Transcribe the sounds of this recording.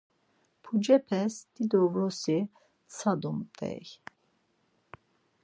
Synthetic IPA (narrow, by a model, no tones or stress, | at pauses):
pʰud͡ʒɛpʰɛsd̪̥id̪ɔvɾɔsi | t͡sʰad̪umt̪ʼɛ̰j